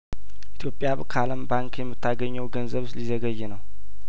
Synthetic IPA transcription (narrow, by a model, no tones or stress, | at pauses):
ʔit̪ʰjo̞pʼːjaβkʰaləmbaŋkjɛmːɨt̪ʰːaɡəɲːəwɡənzəβslizəɡəjːɛnəw